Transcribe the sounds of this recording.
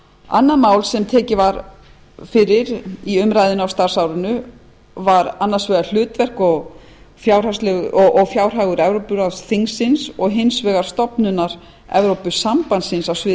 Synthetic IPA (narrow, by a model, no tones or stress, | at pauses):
a̰nːaðmaːwlsɛmt̪ʰɛːcɪvaɾ | fɪɾɪɾiʏmɾajðʏnawst̪aɾ̥sawɾʏnʏ | vaɾanːasvɛːɣal̥ʏːt̪vɛr̥kɔɣ | fjawr̥aslɛɣɔʔɔɣfjaːwr̥ɦaːɣʏɾɛvɾowpʏɾaðθiŋsːɪnsɔɣɦɪnsvɛːɣaɾ̥st̪ɔpnʏnaɾ̥ | ɛ̰vɾowpʏsampansɪnsawsvɪ